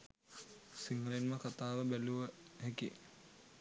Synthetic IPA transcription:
siŋɡəlinməkat̪aːʋəbæluʋəɦɛkḭ

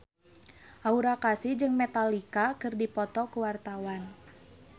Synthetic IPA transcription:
ʔauɾakasid͡ʒɨŋmɛt̪alikakɨrdipɔt̪ɔkuwart̪awan

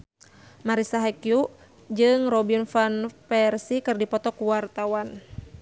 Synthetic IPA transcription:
maɾisaɦakju | d͡ʒɨŋrɔbinfanfɛrsikɨrdipɔt̪ɔkuwart̪awan

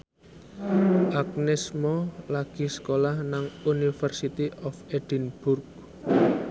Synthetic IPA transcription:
ʔak̚nɛsmɔlaɡ̥iskolahnaŋunifərsit̪iʔɔfed̪̥inb̥urk̚

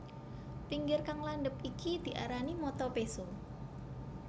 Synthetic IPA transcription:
t̪iŋɡɪrkaŋlanɖəp̚ikid̪̥i̤ʔa̰ɾanimɔt̪ɔpeso

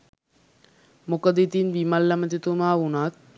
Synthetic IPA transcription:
mukəd̪it̪inʋimɐlːɐmɐt̪it̪unaːunat̪̚

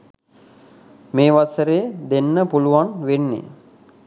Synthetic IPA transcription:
meːʋasəɾeːd̪enːəpuluʋanʋenːḛ

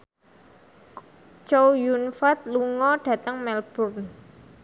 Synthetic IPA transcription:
t͡ʃowjunfat̪̚luŋɔɖ̥ä̤t̪əŋmɛlb̥ʊrn

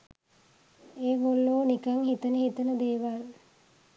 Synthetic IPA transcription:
eːbolːoːnikaŋhit̪ənəhit̪ənəd̪eːʋal

